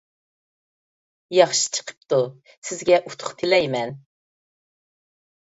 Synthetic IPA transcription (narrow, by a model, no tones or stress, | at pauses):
jɑχʃi̥t͡ʃʰə̥qʰə̥p̚t̪u | sɪzɡʲɛʔut̪ʰʊ̥χt̪ʰɪlɛjmɛn